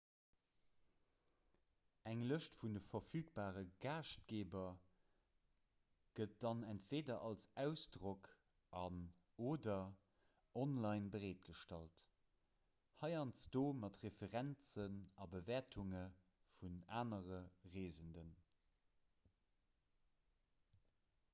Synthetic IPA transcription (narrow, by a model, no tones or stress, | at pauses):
æŋləʃtfundəfɐfyːk̚b̥aːʁəɡaːʃt̚ɡ̥eːbɐ | ɡ̥ət̚d̥ɑnæntv̥eːdɐʔɑlsæʊsd̥ʁok | ʔɑn | oːdɐ | ʔɔnlɑɪnbəʁeːt̚ɡ̥əʃtɑlt | hɑɪɑnsd̥oːmɑtʁefəʁænt͡sənɑbəveːɐtʰuŋə | funaːnəʁəʁeːzəndən